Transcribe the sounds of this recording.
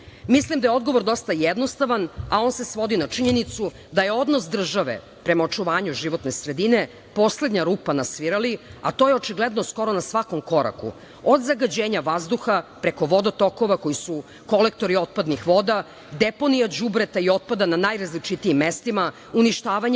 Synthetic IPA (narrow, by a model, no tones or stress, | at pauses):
mislimd̪ajo̞d̪ɡo̞ʋoɾd̪o̞st̪ajed̪no̞st̪aʋanao̞ːnse̞sʋo̞d̪inat͡ʂiɲe̞nit̪su | d̪ajeo̞d̪nosd̪r̩ʒaʋḛ | pɾe̞mao̞t͡ʃuʋaːɲuʒiʋo̞t̪ne̞sɾe̞d̪ine̞ | po̞sle̞d̪ɲaɾuːpanasʋiɾaliat̪ojeo̞t͡ʃiɡled̪no̞sko̞ɾo̞nasʋako̞mko̞ɾa̰kṵ | od̪zaɡad͡ʑeːɲaʋazd̪uxapɾeko̞ʋo̞d̪ot̪o̞ko̞ʋako̞jisu | ko̞lek̚t̪o̞ɾio̞t̪̚pad̪nixʋo̞d̪a | d̪epo̞nijad͡ʑubɾet̪aio̞t̪̚pad̪ananajɾazlit͡ʃit̪iimːest̪ima | uniʃt̪aːʋaɲ